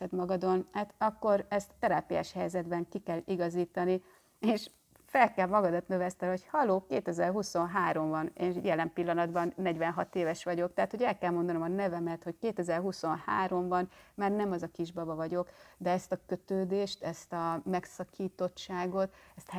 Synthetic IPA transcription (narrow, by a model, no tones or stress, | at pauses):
ɛd̪mɒɡɒd̪o̞nhaːt̪ɒkːo̞ɾɛst̪ːɛɾaːpija̰ːʃhɛjzɛd̪bɛŋkikɛliɡɒziːt̪ɒni | eːʃ | fɛlkɛlmɒɡɒd̪ɒt̪nøvɛst̪ɛlho̞chɒloːkeːt̪ɛzɛrɦuso̞nɦaːɾo̞ɱvɒneːjɛlɛmpilːɒnɒd̪bɒnːɛɟvɛnɦɒt̪eːvɛʃʋɒɟo̞k̚t̪ɛɦat̪ho̞ɟɛlkɛlmo̞nd̪ɒnomɒnɛvɛmɛt̪ho̞ckeːt̪ɛzɛrɦuso̞nha̰ːɾo̞mvɒnmaːrnɛmɒzɒkiʒbɒbɒvɒɟo̞kd̪ɛɛst̪ɒkøt̪øːd̪eːʃt̪ɛst̪ɒmɛksɒkiːt̪o̞t͡ʃːaːɡo̞t̪ɛst̪